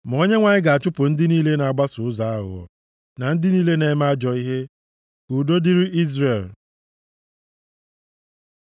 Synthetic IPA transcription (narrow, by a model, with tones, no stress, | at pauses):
m˨o˦ɲe˦ŋʷa˨ɲɪ˦ɡa˨a˨t͡ʃʊ˦pʊ˨n̩˦dɪ˦niː˦le˦na˨a˨ɡ͡ba˦sʊ˨ʊ˦za˨a˦ɣʊ̰˨ɔ̰˨ | na˨n̩˦dɪ˦niː˦le˦ne˨˦ma˦a˦d͡ʒɔ˨i˦ɦe˦ | ɡu˨do˦di˦ɾi˦ʔi˦zɾe˨l